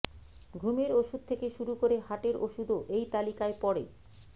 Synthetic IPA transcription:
ɡʱumeɾoʃud̪̚t̪ʰekeʃuɾukoɾeɦaʈeɾoʃud̪oʔejt̪alikaepɔɾḛ

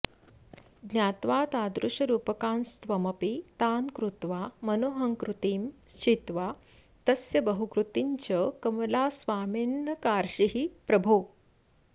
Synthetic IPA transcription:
ɡnjaːt̪ʋaːt̪aːd̪ɾuʂɐɾuːpɐkaːnst̪ʋɐmɐpit̪aːnkɾut̪ʋaːmɐnoɦɐŋkɾut̪iːmst͡ɕit̪ʋaː | t̪ɐsjɐbɐɦukɾut̪iɲt͡ɕɐkɐmɐlaːsʋaːminːɐkaːɾʂiɦipɾɐbʱuː

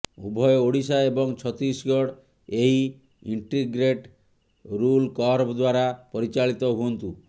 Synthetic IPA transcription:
ṵbʱɔjooɽisaebɔŋt͡ʃʰɔt̪ɾisɡɔɽ | eɦi | iɳʈiɡɾeʈ | ɾulkɔɾbd̪waɾapɔɾit͡ʃaɭit̪ɔɦuɔnt̪u

